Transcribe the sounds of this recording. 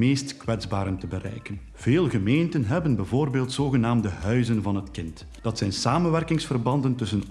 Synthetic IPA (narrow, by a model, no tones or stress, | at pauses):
meːstkwɛdzbaːɾəntəbərɛ̰jkən | v̥eːlˠɣəmeːntənɦɛbənbɛjvoːrbeːlˠtsoːɣənaːmdəɦœɥzənvɑnɦətkɪnt | d̥ɑtsɛjnsaːmənʋɛrkɪŋsfərbɑndəntɵsən